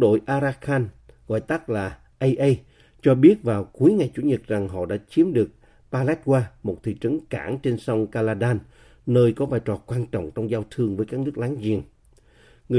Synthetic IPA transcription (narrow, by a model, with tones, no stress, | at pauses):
ɗo̰˧˨jʔaː˧ɾaː˧xaː˧nɣɔ̰˧˨jt̪aː˦˥k̚laː˨˩ | ʔə˧jʔə˧j | t͡ɕɔ˧ɓi˦˥ət̚vaː˨˩wku˨˦əjŋa˨˩jt͡ɕṵ˧˩˦ɲə˨˩t̚za˨˩ŋɦɔ̰˧˨ɗa̰ː˧˥t͡ɕi˨˦əmɗɨ˨˩ək̚ | paː˧lɛ˦˥t̚kwaː˧mo˨˩t̚t̪ʰḭ˧˨t͡ɕə˨˦ŋka̰ː˧˩nt͡ɕe˧nsɔ˧wŋ͡mkaː˧laː˧ɗaː˧nː | əː˧jkɔ˨˦vaː˨˩jt͡ɕɔː˨˩kwaː˧nt͡ɕɔ̰˧˨wŋ͡mt͡ɕɔ˧wŋ͡mzaː˧wt̪ʰɨ˧əŋvəː˨˦jkaː˦˥k̚nɨ˦˥k̚laː˨˦ŋzḭ˧˨ən | ŋɨ˨˩